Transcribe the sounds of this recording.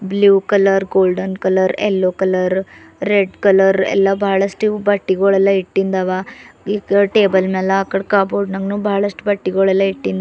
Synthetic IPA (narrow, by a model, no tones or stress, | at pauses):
bljuːkɐlɐɾɡoːlɖɐnkɐlɐɾɛ̰lːoːkɐlɐɾ | ɾeɖkɐlɐɾɛ̰lːɐbʱaːɭɐʂʈibɐʈːiɡoːɭɛlːɐiʈːind̪aʋaikʈeːbɐlmeːlːɐaːkːɐɽkaːboːɖnɐŋɡnuːbʱaːɭɐʂʈubɐʈːiɡoːɭɐlːɐiʈːind̪